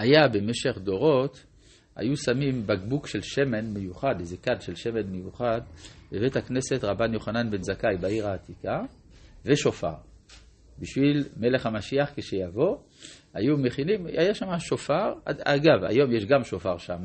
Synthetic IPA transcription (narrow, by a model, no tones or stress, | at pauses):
ajabe̞meʃeχd̪o̞ʁo̞t̪ | a̰jusamimbaɡbukʃe̞lʃe̞me̞nmejuχad̪ezekadʃelʃe̞me̞nmejuχad̪bevethakne̞se̞t̪ʁabanjo̞χananbe̞nzakajbaiʁaːt̪ika | veʃo̞fa̰ʁ | biʃvilme̞leχamaʃiaχkeʃejavo̞ | ajume̞χinimajaʃamaʃo̞faʁaaɡava̰jo̞mjeʃɡamʃo̞faʁʃama